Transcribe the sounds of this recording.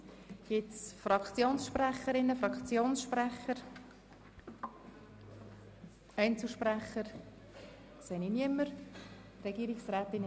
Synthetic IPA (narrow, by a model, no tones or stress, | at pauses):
ɡ̥ɪtsfɾɑkʰt͡sjoːnsʃpræχəɾɪnːəfɾɑkt͡sjoːnsʃprɛχəɾ | ɛɪnt͡sl̩ˠʃpræχəɾ | sɛniniəmːəɾrɛɡ̥iːɾɪksræːt̪ɪn